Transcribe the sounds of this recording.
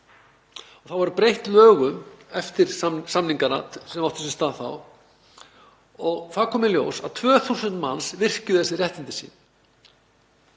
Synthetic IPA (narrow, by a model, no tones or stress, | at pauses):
ɔθawvaɾpɾejht̪lœːɣʏmɛft̪ɪɾ̥samniŋkana̰sɛmawht̪ʏ̥sɛst̪aːðθa̰w | ɔɣθakʰɔːmɪljo̰ːwsa̰ðt̪ʰvœːθusʏnt̪mansvɪr̥cʏθɛsɪrjɛht̪int̪ɪsḭːn